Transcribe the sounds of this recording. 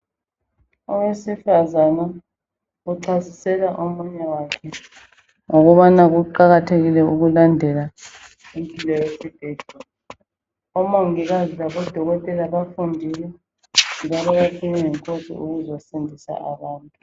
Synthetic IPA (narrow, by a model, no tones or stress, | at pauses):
ɔwesifazana | uǀʰazisɛlaʔɔmuɲawakʰɛ | ŋoɣuβanaɣuǃaɣatʰeɣilɛuɣulandʱɛla | impʼilɔjesib̥ʱɛːd̥ʱɔ | ɔmoŋiɣazilaβɔd̥ʱɔɣɔtʼɛlaβafundʱilɛ | ŋd͡ʒaβɛjakʰiɲaŋɛŋkʰʼod̥ʱɔ̰uɣuzɔsendʱisa̰ʔaβaːntʼu